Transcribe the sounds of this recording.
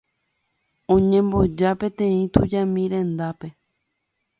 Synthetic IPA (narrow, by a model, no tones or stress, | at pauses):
õɲẽmbo̞d͡ʒapẽ̞t̪ẽ̞ĩt̪ud͡ʒamĩɾẽ̞nd̪ape̞